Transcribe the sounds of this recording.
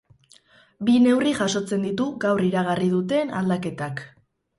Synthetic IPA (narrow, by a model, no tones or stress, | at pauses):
bine̞wriʝaso̞t͡se̞nd̪it̪uɣawriɾaɣ̞arið̞ut̪e̞na̰ld̪ake̞t̪ak